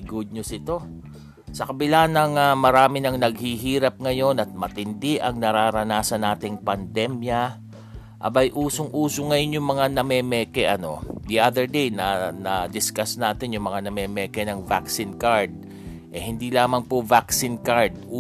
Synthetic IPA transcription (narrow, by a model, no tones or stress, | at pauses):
ɡʊd̪̚nʊsɪt̪o̞ | sɐkɐbɪlanɐŋamɐɾaːmɪnɐŋnɐɡ̚hiɦiːɾɐp̚ŋɐjo̞nɐt̪̚mɐt̪ɪnd̪ɪʔɐŋnɐɾaːɾɐnaːsɐnaːt̪ɪŋpɐnd̪ɛmjɐ | ʔɐ̰bɐjʔuːsoŋʔuːsoŋɐjonjʊŋmɐŋanɐmɛːmɛːkɛʔɐno̞d̪iʔad̪ɛɹd̪ejnɐnɐd̪ɪskasnaːt̪ɪnjʊŋmɐŋanɐmɛːmɛkɛnɐŋvaksɪnkaɹd̪̚ | ʔɛhɪnd̪ilaːmɐŋpovaksinkaɹd̪̚